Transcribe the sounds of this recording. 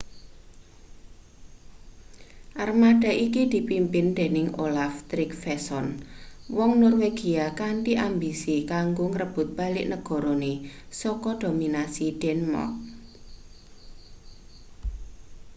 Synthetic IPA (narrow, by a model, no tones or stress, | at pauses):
ʔarmaɖ̥a̤ʔikid̪̥i̤pimpɪnd̪̥e̤nɪŋolaft̪ɾɪk̚fɛsɔnwɔŋnɔrweɡ̥i̤akaɳʈiʔambisikaŋɡoŋəɾəb̥ʊ̤t̪̚b̥a̤lɪʔnəɡ̥ɔ̤ɾonesɔkɔd̪̥o̤minasiɖ̥ɛnmɔ̰k̚